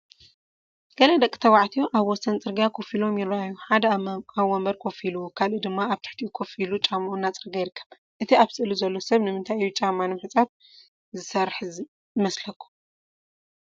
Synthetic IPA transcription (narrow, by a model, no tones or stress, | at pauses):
ɡ̥ɐlɐd̪ɐkʼi̥t̪ʰɐwaʕt̪ʰijoʔaβwɔsɐnt͡sʼɨɾɡjakʰo̞filo̞mjɪɾɐʔajuħad̪ɐaβːɔmbɐɾkʰo̞filukʰalʔud̪ɨmːaaβt̪ʰɨ̥ħt̪ʰiʔukʰo̞filut͡ʃʼamːʔunːat͡sʼɨɾɡajɪɾɨkːɐ̥β | ʔɨt̪ʰiaβsʼɨɨluzɐlːo̞sɐβnɨmɨnt̪ʰajijːut͡ʃʼamːanɨmɨħɨt͡sʼaf | zɨsɐɾħz | mɐslɐkʰːu̥